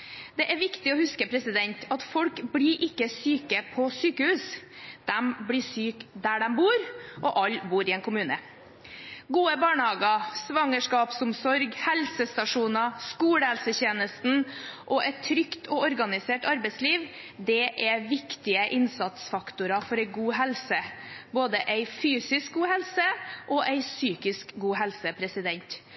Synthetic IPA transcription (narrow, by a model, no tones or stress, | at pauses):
d̪̥ɛʔæɾʋɪkt̪ɪɔhʉskəpʰɾɛsɪd̪ɛnt̪ʰɑt̪fɔlkblɪɾʔɪkːəsyːkəpʰɔsyːkəhʉːsd̪̥ɛmbɽɪsyːkd̪æɖɛmbuːɾʔɔʔɑlːbuːɾɪeːnkʰʊmʉːnə | ɡuːəbɑːɳəhɑːɡɑsʋɑŋəʂkɑːpsʊmsɔɾɡhɛlsəst̪ɑʂuːnɑskuːɽəhɛlsəçeːnəst̪n̩ʔɔʔɛt̪ʰːɾʏkt̪ʰɔɔɾɡɑnɪseːʈɑɾbɛɪsliːʋ | d̪ɛʔɛʋɪkt̪ɪəʔɪnsɑt̪sfɑkt̪ʊɾɑfɔɾɛɪɡuːɦɛlsəboːd̪əʔæɪfyːsɪsk̚ɡuːɦɛlsəʔɔʔæɪsyːkɪskɡuːɦɛlsəpʰɾɛsɪd̪ɛnt̪